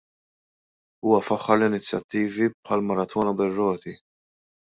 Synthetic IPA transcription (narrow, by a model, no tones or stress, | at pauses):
uːwɐfɐħːɐɾlɪnɪt͡sːjɐt̪ːiːvipħɐlmɐɾɐt̪ʰɔːnɐbɛrːɔːt̪i